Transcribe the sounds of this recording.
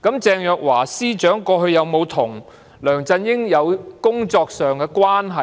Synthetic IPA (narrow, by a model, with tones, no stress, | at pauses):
kɐ˨˥mt͡sɛː˧ŋjœː˨k̚waː˨˩siː˥t͡ʃœː˨˥ŋkɔː˧hɵ˧ɥjɐ˨˧wmo˨˧wt̪ʰʊ˨˩ŋ | lœː˨˩ŋt͡sɐ˧njɪ˥ŋjɐ˨˧wkʊ˥ŋt͡sɔː˧k̚sœː˨ŋkɛ˧kwaː˥nɦɐ˨